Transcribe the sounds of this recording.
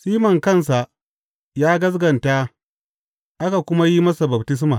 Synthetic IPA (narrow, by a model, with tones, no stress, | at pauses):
siː˦mɐ˨ŋkɐ˦ns̬a˨ʔ | jaː˦ɡɐ˦s̬ɡɐ˨nta˦ | ʔa˦ka˨kʷʊ˦ma˦ji˦mɐ˦sa˨bɐ˨btɪ˦s̬ma˨